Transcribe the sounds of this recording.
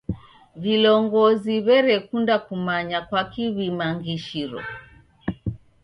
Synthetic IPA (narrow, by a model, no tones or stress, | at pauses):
vilɔŋɡɔziβɛɾɛkundakumaɲakwakiβimaŋɡiʃiɾɔ̰